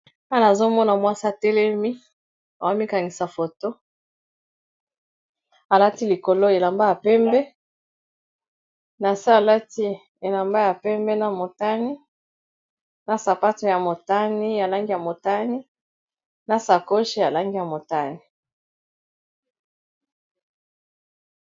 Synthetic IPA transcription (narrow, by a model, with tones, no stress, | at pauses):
a˦naː˨zo˦mɔ˦na˨mwa˦si˦a˨tɛ˦lɛ˦mi˦ | a˨wa˦mi˦ka˨ŋi˨sa˨fo˨to˦ | a˨la˦ti˦li˨ko˨lo˦e˨la˨mba˦ja˨pɛ˦mbɛ˦ | na˨si˦a˨la˦ti˦ | e˨la˨mba˦ja˨pɛ˦mbɛ˦na˨mo˨ta˦ni˦ | na˨sa˨pa˦to˦ja˨mo˨ta˦ni˦ja˨la˦ŋɡi˦ja˨mo˨ta˦ni˦ | na˨sa˨ko˦ʃi˦ja˨la˦ŋɡi˦ja˨mo˨ta˦ni˨